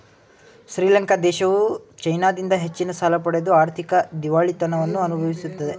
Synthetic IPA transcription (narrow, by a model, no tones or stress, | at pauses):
ʃɾiːlɐŋkɐd̪ɛːʃɐʋut͡ʃɐjnaːd̪ind̪ɐɦe̞t͡ʃːinɐsaːlɐpɐɽed̪uaːɾt̪ʰikɐd̪iʋaːɭit̪ɐnɐʋɐnːuɐnubʱɐʋisut̪ːɐd̪e